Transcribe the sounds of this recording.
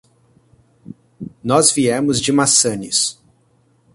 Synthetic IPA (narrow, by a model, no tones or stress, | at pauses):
nɔzviɛmʊzd͡ʒɪmasɐ̃nis